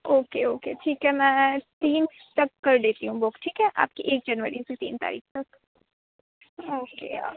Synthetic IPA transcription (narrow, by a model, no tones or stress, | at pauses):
oːkeoːkḛʈʰiːkɦɛmɛ̃ːt̪iːn | t̪ɐkːɐɾd̪eːt̪iɦũboːkʈʰiːkɦɛʔa̰ːp̚kiʔeːk̚d͡ʒɐnʋəɾiset̪ḭːnt̪a̰ːɾḭːxt̪ɐk | oːkḛː